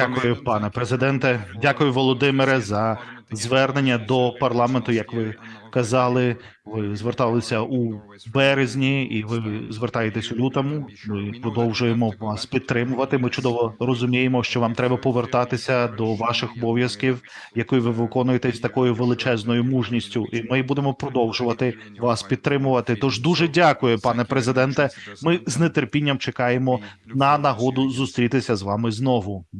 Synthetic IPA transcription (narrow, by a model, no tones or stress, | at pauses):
dʲakʊjʊpɑnɛpɾezɪd̪ɛnt̪ɛdʲakʊjʊʋɔlˠɔd̪ɪmɪɾɛzɐ | zʋɛrne̞nʲːɐd̪ɔpɐrlˠɑment̪ʊjɐkʋɪkɐzɑlˠɪ | ʋɪzʋert̪ɑlˠɪsʲɐu | bɛɾezʲnʲiiʋɪzʋert̪ɑjet̪ɛsʲʊlʲut̪ɐmʊmɪpɾɔd̪ɔwʒʊjemɔʋɑspʲid̪̚t̪ɾɪmʊʋɐt̪ɪmɪt͡ʃʊd̪ɔʋɔrɔzʊmʲijemɔʃt͡ʃɔʋɑmt̪ɾɛbɐpɔʋert̪ɑt̪ɪsʲɐd̪ɔʋɑʃɪxɔbɔʋʲjɐskʲiw | jɐkɔjiʋɪʋɪkɔnʊjet̪ɛsʲt̪ɐkɔjʊʋelˠɪt͡ʃɛznɔjʊmuʒnʲisʲtʲʊʔimɪbud̪emɔpɾɔd̪ɔwʒʊʋɐt̪ɪ | ʋɑspʲid̪̚t̪ɾɪmʊʋɐt̪ɪt̪ɔʒd̪uʒɛdʲakʊjʊpɑnɛpɾezɪd̪ɛnt̪ɛmɪznet̪erpʲinʲːɐmt͡ʃekɑjemɔ | nɐnɐɦɔd̪ʊzʊst̪ɾʲit̪ɪsʲɐzʋɑmɪznɔʋʊ